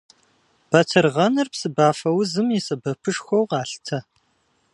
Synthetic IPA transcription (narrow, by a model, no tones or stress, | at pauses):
b̥ɐtʰɨrʁɐnɨrpsɨbaːfɐwzɨmisɐbɐpʰɨʂxʷɔwqɑːɬtʰɐ